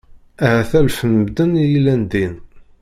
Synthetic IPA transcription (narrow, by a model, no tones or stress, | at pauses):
æhæθælfənmd̪ənijlænd̪in